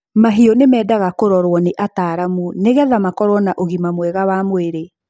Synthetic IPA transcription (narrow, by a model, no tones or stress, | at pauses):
maɦiɔnemɛːdaɣakoɾɔɾwɔneʔataːɾamuneɣɛðamakɔɾwɔnaʔoɣimamwɛɣawamweɾe